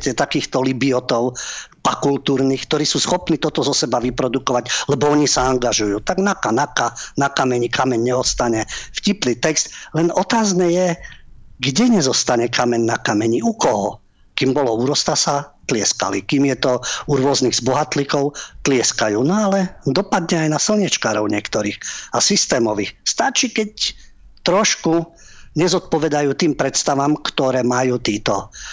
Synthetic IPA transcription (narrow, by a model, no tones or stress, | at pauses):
cɛt̪akiːxt̪ɔlibiɔt̪ɔʊpakult̪uːɾniːxk̚t̪ɔɾiːsuːsxɔpniːt̪ɔt̪ɔzɔsɛbaʋipɾɔd̪ukɔʋaɟlɛbɔɔɲisaaŋɡaʒujuːt̪aɡnakanakanakamɛɲikamɛɲɲɛɔst̪aɲɛfciplit̪ɛkst̪lɛnɔt̪aːznɛjɛ | ɡɟɛɲɛzɔst̪aɲɛkamɛɲnakamɛɲiukɔɦɔ | kiːmbɔlɔuɾɔst̪asat̪lɪɛska̰likiːmjɛt̪ɔuɾʊɔzniɣzbɔɦat̪likɔʊt̪lɪɛskajuːnɔalɛd̪ɔpad̪ɲɛajnasl̩ɲɛt͡ʃkaːɾɔʊɲɪɛkt̪ɔɾixasist̪ɛːmɔʋixst̪at͡ʃikɛc | t̪ɾɔʃku | ɲɛzɔt̪̚pɔʋɛd̪ajuːt̪iːmpɾɛt̪st̪aʋamkt̪ɔɾɛːmajuːt̪iːt̪ɔ